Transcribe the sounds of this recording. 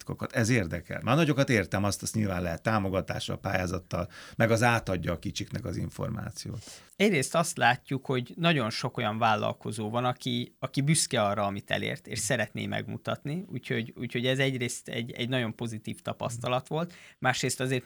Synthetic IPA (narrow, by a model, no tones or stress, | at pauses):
t̪kokɒt̪ɛzeːrd̪ɛkɛ̰lmʔaːrnɒɟo̞kɒt̪eːrt̪ɛmɒst̪ɛst̪ɲilvaːnlɛɦɛt̪ːaːmo̞ɡɒt̪a̰ːʃɒ̰lpa̰ːjaːzɒt̪ːɒlmɛɡɒzaːt̪ɒɟːɒːkit͡ʃiknɛkɒziɱfo̞̰rma̰ːt̪sijo̰ːt̪ | ɛɟreːst̪ɒst̪laːcːukho̞ɟnɒɟo̞nʃo̞ko̞jɒɱvaːlːɒ̰lko̞zoːvɒnɒkiɒkibyskɛɒrɒɒmit̪ɛ̰lḛːrt̪ḛːʃsɛɾɛt̪nḛːmɛ̰ɡmṵt̪ɒt̪niuːcho̞ɟuːcho̞ɟɛzɛɟreːst̪ɛ̰ɟɛ̰ɟnɒɟo̞mpo̞zit̪iːft̪ɒpɒ̰st̪ɒlɒt̪ʋo̞lt̪maːʃreːst̪ɒzeːrt̪